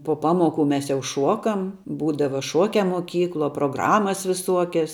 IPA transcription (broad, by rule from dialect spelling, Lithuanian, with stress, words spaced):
poː ˈpɑːmoːˌkʊ mʲɛs jɛʊ ˈʃuɔkɐm ˈbuːdɐʋɐ ˈʃuɔkʲɛ muɔˈkʲiːklˠuɔ proːˈɡrɑːmɐs ʋʲɪˈsuɔkʲɛs